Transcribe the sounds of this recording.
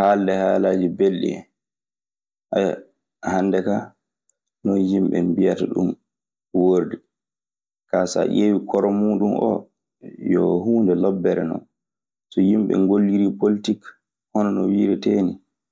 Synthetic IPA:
haːldɛhaːlaːd͡ʒibelɗḭɛ̰ | ʔaj | hanːdɛka | nɔnjimɓɛ̰mbijataɗṵm | woɾdɛ | kasa̰ʔewikʰɔɾɔmuːɗumʔɔ̰ | jɔ̰huːndɛlɔbːɛɾɛ̰nɔ̰n | sɔjimɓɛ̰ŋɡolːiɾipolitik | hɔnɔnɔwiːɾɛteːni

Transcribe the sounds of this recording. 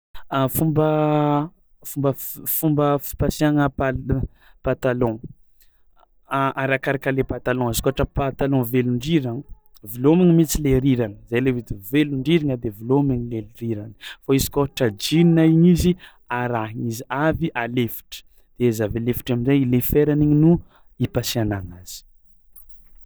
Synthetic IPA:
əfumbə | fumbəfumbəfi̥pasiaŋəpa | pat̪alɔ̃ | ʔaɾakaɾakalepat̪alɔ̃izkuaʈ͡ʂəpat̪alɔ̃veluɳɖ͡ʐiɾã | vilomiɲimit͡sileɾiɾanəzajlevid̪iveluɳɖ͡ʐiɾiŋəd̪evilomiŋilelriɾanəfaizi̥koʈ͡ʂad͡ʒininaiɲizi | aɾaɦiŋiziaviʔalefi̥ʈ͡ʂə̥ | d̪̥ezavealefi̥ʈ͡ʂaminzajlefeɾaniɲinu | ipasianaŋaz̥i̥

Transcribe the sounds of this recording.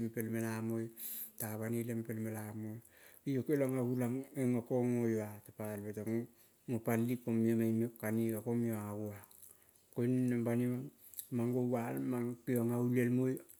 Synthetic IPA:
mpelmelamojtaβanilempelmelamoj | ijokelaŋaɡulaŋeŋokoŋojatapalbetaŋ | ŋopalːikomiomajnokanikakomioaɡua | kojnːambanima | maŋɡoβalmaŋkioŋaulelmoj

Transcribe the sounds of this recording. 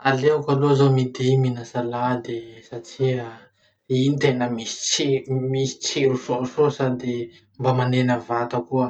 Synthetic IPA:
alekalozamid̪eminasalad̪esaʈ͡ʂia | init̪enəmist͡simisi̥t͡seɾusososad̪e | mbamanenəvat̪əkuə

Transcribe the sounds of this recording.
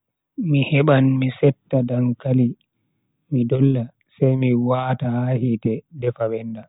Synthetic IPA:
mihɛɓanmisɛtːadaŋkali | midɔlːa | sajmiwaːtaahitɛdɛfaɓɛnda

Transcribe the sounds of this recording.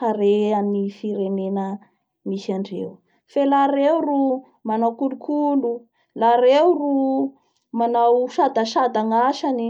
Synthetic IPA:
aɾeamnifiɾenenə | misaɳɖ͡ʐḛw | felaɾewru | manawkulukʰulu | laɾewru | manawʃad̪aʃad̪aŋaʃani

